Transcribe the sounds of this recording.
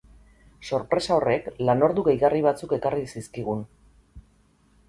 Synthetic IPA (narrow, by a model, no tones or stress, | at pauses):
so̞ɾpɾe̞sao̞re̞klano̞ɾðuɣejɣariβ̞at͡suke̞karisiskiɣ̞un